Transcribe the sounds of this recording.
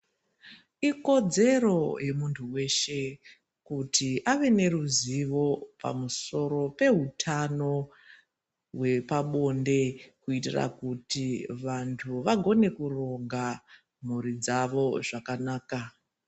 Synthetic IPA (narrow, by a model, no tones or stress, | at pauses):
iko̞d͡ze̞ro̞je̞muntʰuwe̞ʃe̞ | kutiʔaʋe̞ne̞ɾuziʋo̞pa̰muso̞ɾo̞pe̞ɦutʰano̞ | we̞paɓo̞nde̞kuitira̰kutiʋantʰuʋaɡʱo̞ne̞kuro̞ɡa | m̤uɾid͡zaʋo̞ʐakanaːka